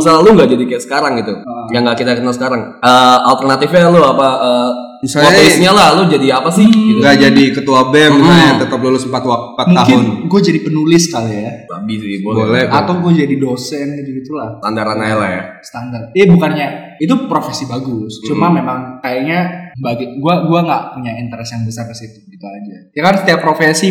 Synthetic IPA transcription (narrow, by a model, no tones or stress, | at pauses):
səlaluŋɡaʔd͡ʒadikajaʔsə̥kaɾaŋɡit̪ujaŋɡaʔkit̪akənalsəkaɾaŋʔəːalt̪ərnat̪ɪfɲaloapaʔəː | misaloɲaesɲalalod͡ʒadiapasɪhɡiɡad͡ʒadikət̪uabɛmnaat̪ət̪əp̬̚lolʊsəmpat̪wapatmuakɪʊnɡuad͡ʒadipənulɪskajaaa̰biibobolɛbat̪awɡuad͡ʒadidosɛnɡit̪uɡit̪ulaht̪andaɾanajlahja̰st̪andart̪̚ibukanɲa | it̪̬upɾofesibaɡʊst͡ʃumamemaŋkajaʔɲabaɡɛɡuaɡuaŋɡaʔpuɲaint̪əɾɛsjaŋbəsarkəsit̪ubit̪aːd͡ʒajakansə̥t̪iappːɾofɛsi